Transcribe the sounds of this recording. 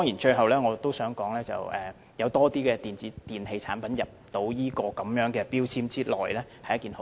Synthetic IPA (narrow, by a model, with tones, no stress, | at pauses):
ɔ˥ŋjiː˨˩nt͡ʃɵ˧jɦɐ˨˩wlɛː˥ŋɔː˨˧t̪o˥wsœː˨˥ŋkɔː˨˥ŋlɛː˥t͡sɐ̰˨˩wɛ̰ː˨ | jɐ˨˧wt̪ɔː˥t̪iː˥kɛː˧t̪iː˨˩nt͡siː˨˥t̪iː˨˩nhe˧jt͡sʰa̰ː˨˥npɐ˨˥njɐ˨p̚t̪o˧˥wjiː˥kɔː˧kɐ˨˥mjœː˨˥ŋkɛː˧piː˥wt͡sʰiː˥mt͡siː˥lɔ̰ː˨˩jlɛː˥hɐ˨jɐ˥tkiː˨˩nh